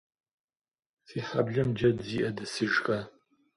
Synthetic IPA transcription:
siːħabɮɐmd͡ʒɐdziːʔɐdɨsɨʒxa

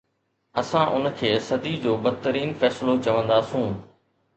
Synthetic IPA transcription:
ɐsãʔʊnəkʰeːsɐd̪id͡ʑoːbɐd̪t̪əɾiːnfɛːsɪlot͡ɕɐʋə̃nd̪aːsũː

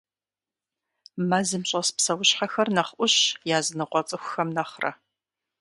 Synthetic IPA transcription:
mazɨmɕʼɐspsɐwʊɕħaxɐrnɐχʔʷʊɕjaːzɨnɨqʷɔt͡sʼɨxʷʊxɐmnɐχrʔɐ̰

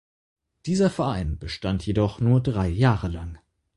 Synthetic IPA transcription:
d̥iːzɐfɛɐʔaɪnb̥əʃtantjedɔχnuːɐdʁaɪjaːʁəlaŋ

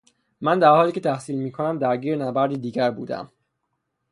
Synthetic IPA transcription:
mænd̪æɾhɒːliːcʰe̞t̪ʰæhsiːlmiːkʰo̞næmd̪æɾɟiːɾenæbæɾd̪id̪iːɟæɾbṵːd̪æ̰m

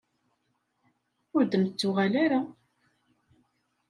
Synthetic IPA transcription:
ʊɾd̪əmt͡sːʊʁælaɾa

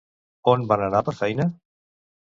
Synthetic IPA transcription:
onbananapəɾfɛjnə

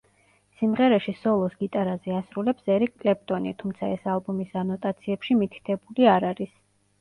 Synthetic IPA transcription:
simʁɛɾɛʃisɔlˠɔsɡit̪ʼaɾazɛasɾulɛpsɛɾikʼkʼlɛp̚t̪ʼɔnit̪ʰumt̪sʰaɛsalˠbumisanɔt̪ʼat̪sʰiɛpʃimit̪ʰi̥t̪ʰɛbuliaɾaɾis

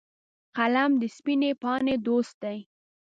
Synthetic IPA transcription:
qalamd̪əspinepɑned̪ost̪̚d̪aj

